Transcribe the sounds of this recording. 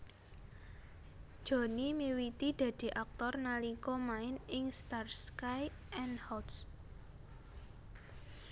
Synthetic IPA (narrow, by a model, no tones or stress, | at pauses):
d̥ʒ̥o̤nimiwit̪id̪̥ä̤d̪̥i̤ʔak̚t̪ɔrnalikɔmaɪnɪŋst̪arskaj | ʔɛnhɔt̪s